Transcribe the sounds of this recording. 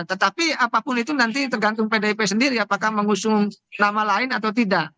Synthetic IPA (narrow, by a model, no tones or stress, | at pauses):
t̪ət̪apiapapʊnit̪unant̪it̪ərɡant̪ʊŋpedaipesəndiɾiapakahməŋusʊŋnamalaɪnat̪awt̪idaʔ